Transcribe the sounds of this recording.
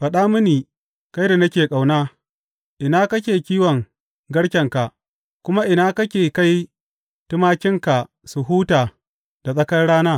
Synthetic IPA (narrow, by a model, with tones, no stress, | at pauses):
ɸɐ˨ɗaː˦mʊ˦niː˨ | ka˦jda˨nɐ˦kʲeː˨kʼa˨wnaː˦ | ʔɪ˨naː˦kɐ˦kʲeː˨kʲiː˦wɔ˨ŋ | ɡɐ˦ɽkʲɛ˨ŋka˨ʔ | kʷʊ˦ma˦ʔɪ˨naː˦kɐ˦kʲeː˨ka˦j | tɪ˦maː˦kʲɪ˦ŋka˨ | su˨ɦuː˦taː˨ | d̥a˨sʼɐ˦kɐ˦nɽaː˦naː˦